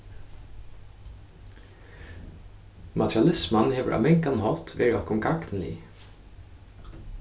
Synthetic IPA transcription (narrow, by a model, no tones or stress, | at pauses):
mʔat̪ʰɾjalɪsmanheːʋə̰ɾʔa̰mɛŋkanhɔt̪ʋḛːɹɪɔhkʊmɡaknn̩ḭː